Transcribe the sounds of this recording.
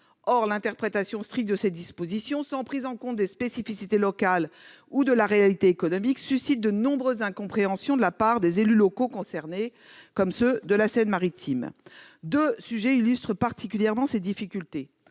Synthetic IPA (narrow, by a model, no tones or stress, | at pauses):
ɔʁlɛ̃t̪ɛʁpχet̪asjɔ̃st̪χik̚t̪̚d̪əsɛt̪̚d̪ispozisjɔ̃sɑ̃pχizɑ̃kɔ̃t̪̚d̪espesifisit̪elɔkal | ud̪əlaʁealit̪eːkɔnɔmiksysit̪̚d̪ənɔ̃bʁøzːɛ̃kɔ̃pχeɑ̃sjɔ̃d̪əlapaʁd̪ezelylokokɔ̃sɛʁne | kɔmsød̪əlasɛnmaʁit̪ʰimd̪øsyʒɛilyst̪χəpaʁt̪ʰikʲyljɛʁmɑ̃sed̪ifikʲylt̪e